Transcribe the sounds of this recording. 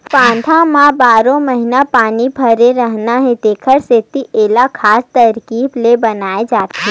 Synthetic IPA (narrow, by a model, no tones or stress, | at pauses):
pãːnt̪ʰãmãbaːɾõməɦɪnapaːnibʱɐɾeɾəɦnaɦẽd̪eːkʰəɾseːt̪iʔeːlakʰaːst̪ɐɾkiːblebɐnaːed͡ʒaːt̪ɦĩ